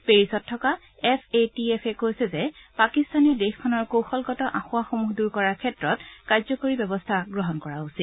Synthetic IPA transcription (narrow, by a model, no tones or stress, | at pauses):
peɹisɔtʰːɔka | ɛpʰetiɛpʰɛkojsɛzɛpakistanɛdexkʰɔnɔɹkowxɔlɡɔtɔʔãxʊwaxomuɦduɹkɔɹaɹkʰɛtɹɔtkaɹzɔkoɹibjɔbɔstʰaɡɹɔɦɔnkɔɹausil